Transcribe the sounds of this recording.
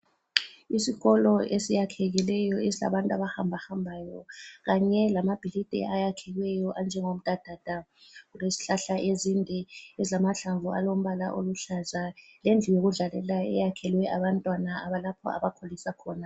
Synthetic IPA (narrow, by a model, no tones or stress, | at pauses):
isiɣɔlɔʔesijakʰɛɣilɛjɔesila̰βantʼaβahambʱahambʱaːjɔ̰ɣaɲɛlamab̥ʱilid̥ʼʱɛ̰ʔajakʰɛɣwɛjɔʔand͡ʒʱɛŋom̩d̥ʱʼad̥ʱad̥ʱaɣulwesi̥ɬaɬaʔezindʱɛɛziamaɬaɱvua̰lom̩βala̰ʔoluɬazalend͡ɮʱijoɣuɮalɛ̰laɛ̰jakʰɛlwɛʔaβantʼwanaaβalapʰɔ̰a̰βakʰolisakʰɔːna